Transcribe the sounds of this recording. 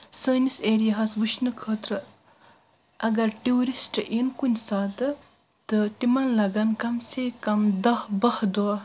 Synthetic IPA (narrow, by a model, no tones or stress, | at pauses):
səːniseːɾijaɦɐsʋuʃnɨkʰəːt̪ɾɨ | ɐɡɐɾʈiuɾisʈɨʔinkunʲsaːt̪ɨ | t̪ɨʈimɐnlɐɡɐnkɐmsekɐmd̪ɐhbɐhd̪oa